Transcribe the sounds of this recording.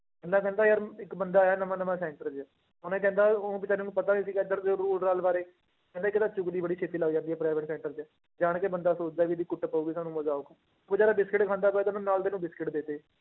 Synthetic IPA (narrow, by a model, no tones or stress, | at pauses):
bənd̪aːkɛ̃ːnd̪aːjəɾɪkbənd̪aːɛːnəmãːnəmãːsɛ̃ːɳʈəɾd͡ʒɛ | ʊnẽːk̬ɛ̃ːnd̪aːñːbit͡ʃaːneːnũːpət̪aːnis̬iːkːd̪əɾd͡ʒoːɾuːlɾaːlʋaːɾeː | kɛ̃ːnd̪aːkɪ̃ːd̪aːt͡ʃʊɡliːbəɽiːt͡ʃʰeːt̪iːlaːoːd͡ʒãːd̪iːɛːpɾaːʋeʈsɛːɳʈəɾd͡ʒɛ | d͡ʒaːɽ̃kebənd̪aːsoːt͡ʃd̪aːʋid̪iːkʊʈːpəuːɡiːsaːnũːməzaːokː | poːd͡ʒəːɾaːbɪskɪʈkʰãːnd̪aːpoeːt̪ãmənːaːld̪eːnũːbɪskɪʈd̪eːt̪eː